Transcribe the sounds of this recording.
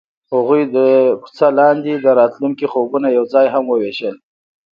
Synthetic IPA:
haɣujd̪əku̥t͡salɑnd̪id̪əɾɑt̪luŋkixobunajawd͡zɑjɦamwəweʃəl

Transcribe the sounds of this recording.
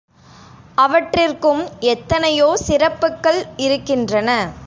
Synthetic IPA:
ɐʋɐʈrɪrkɯmɛt̪ːɐnɐjoːsɪɾɐpːɯkːɐɭɪɾɯkːɪndrɐnɐ

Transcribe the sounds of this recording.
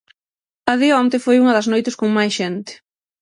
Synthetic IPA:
ɐðɪɔnt̪ɪfojuŋɐðɐznojt̪ɪskoŋmajsʃɛnt̪ɪ̥

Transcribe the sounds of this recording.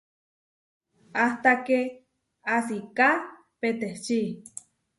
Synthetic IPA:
aht̪ake | asika | pet̪eht͡ʃi

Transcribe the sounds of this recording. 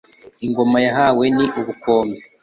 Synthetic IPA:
iŋɡo̞majaɦaweniʔuβukoːme

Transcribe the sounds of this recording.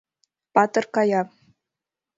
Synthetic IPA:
pɑt̪ɤ̆rkɑjɑ

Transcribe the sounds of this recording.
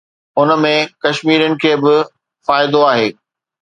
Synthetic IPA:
ʊnə̆mẽkɐʃmiːɾənɪ̆kʰeːbɪ | faːɪd̪oaːɦeː

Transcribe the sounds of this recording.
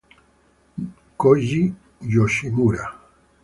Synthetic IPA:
koʒi | joʃiɣuɾa

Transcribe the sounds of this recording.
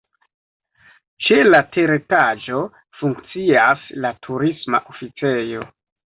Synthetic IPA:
t͡ʃe̞latʰeɾetad͡ʒo̞ | fuŋkt͡siaslatʰuɾisma̰ʔofit͡se̞jo̞

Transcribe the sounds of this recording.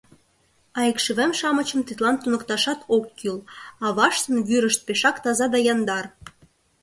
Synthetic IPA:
ɑjəkʃɘβemʃɑmət͡ɕə̆mt̪it̪lɑnt̪unə̆kt̪ɑʃɑt̪ʰokːilɑβɑʃt̪ə̆nβyɾəʃt̪̚peʃɑkt̪ɑzɑd̪ɑjɑnd̪ɑr

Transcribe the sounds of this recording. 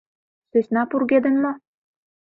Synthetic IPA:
sø̆sʲnɑpurɡed̪ə̆nmo

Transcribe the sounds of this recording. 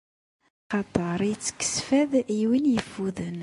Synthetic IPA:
χɑt̪ˤəɾˤijət͡sːkə̥sfæðjwinjəfːuðən

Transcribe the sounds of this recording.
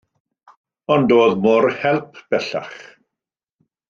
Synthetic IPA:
ɔndoːðmɔrhɛlˠpʰb̥ɛɬa̰χ

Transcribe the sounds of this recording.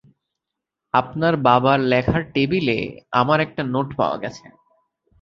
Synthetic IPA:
apnaɾbabaɾlɛkʰaɾʈebilḛamaɾɛk̚ʈanoʈpa̰oa̰ɡɛt͡ɕʰḛ

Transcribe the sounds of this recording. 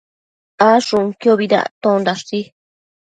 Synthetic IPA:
aʂũŋkjoβiða̰t̪õnd̪aʂi

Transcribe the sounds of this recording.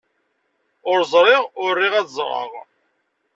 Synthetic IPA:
ʊɾzˤɾˤɪʁʊrːiʁæt͡szˤɾˤɑ̰ʁ

